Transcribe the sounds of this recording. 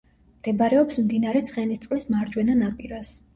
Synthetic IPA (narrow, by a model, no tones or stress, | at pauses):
md̪̥ɛbaɾɛɔpsmd̪inaɾɛt̪sʰχɛnist̪sʼqʼlismaɾd͡ʒwɛnanapʼiɾas